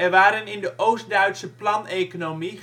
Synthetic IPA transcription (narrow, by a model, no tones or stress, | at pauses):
ɛrʋaːɾənɪndəʔowst̚dœɥtsəplɑnekonomi